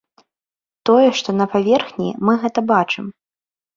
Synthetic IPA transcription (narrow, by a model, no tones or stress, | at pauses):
t̪ɔjɛʂt̪ɔnɐpavʲɛrxnʲḭmɨɣɛt̪ɐbat͡ʂɨm